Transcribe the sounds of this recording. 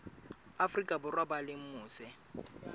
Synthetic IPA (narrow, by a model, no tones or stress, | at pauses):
afrikʼabʊrwabalɪm̩mʊːsɛ